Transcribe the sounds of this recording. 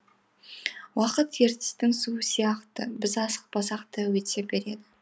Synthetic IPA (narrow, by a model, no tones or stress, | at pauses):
wɑqət̪kʰeɾt̪ɪ̥st̪ɪŋsuəsijɑqt̪əbɪzɑsə̥q̚bɑsɑqt̪əwet̪sebe̞ɾe̞d̪ɪ